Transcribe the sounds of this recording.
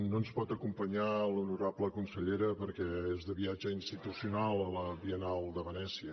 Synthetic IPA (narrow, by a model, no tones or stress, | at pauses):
nonspɔt̪əkumpəɲalunuɾabləkunsəʎeɾəpəɾkɛezðəβiad͡ʒəinst̪it̪usiunalˠələβiənalˠd̪əβənɛsiə